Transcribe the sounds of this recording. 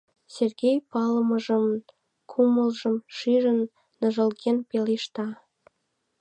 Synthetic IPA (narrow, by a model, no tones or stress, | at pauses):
serɣʲejpɑləməʒəm | kʰuməlʒəmʃiʒənː | ə̆ʒə̆lɣenpeleʃt̪ɑ